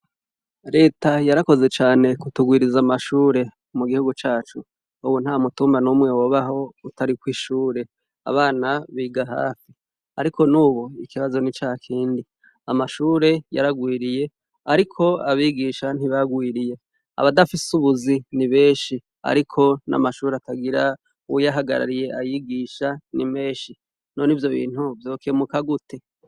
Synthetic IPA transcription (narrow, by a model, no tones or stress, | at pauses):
ɾe̞ːtajaɾako̞ze̞t͡ʃaːne̞kutuɡwiːɾizamaʃuːɾe̞ | muɡihuɡut͡ʃaːt͡ʃu | uwun̥hamutuːmbanumŋe̞woβaɦo̞utaɾikwiːʃuːɾe̞ | a̰βaːnaβiːɡaɦa̰ːfi | aɾikʰo̞nuːβoikiβazo̞nit͡ʃaːkʰiːndi | amaʃuːɾe̞ja̰ɾaɡwiːɾije̞ | aɾikʰo̞aβiːɡiʃan̥hiβaɡwiːɾije̞ | a̰βadafisuβuziniβe̞ːʃi | a̰ɾikʰo̞na̰maʃuːɾeataɡiɾa | ujaɦaɡa̰ɾa̰ɾije̞ʔajiɡiːʃanime̞ːʃi | no̞nivjo̞βḭːn̥huvjo̞ːkʰemukaɡutʰe̞